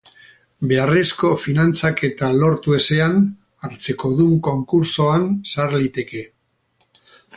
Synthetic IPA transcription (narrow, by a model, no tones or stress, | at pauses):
be̞are̞sko̞finant͡sake̞t̪alo̞ɾt̪ue̞se̞an | aɾt͡se̞ko̞ðuŋko̞ŋkuɾso̞ansaɾlit̪e̞ke̞